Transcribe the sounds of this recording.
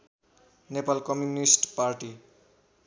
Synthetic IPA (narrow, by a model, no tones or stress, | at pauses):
nepalkʌmjunisʈpaɾʈi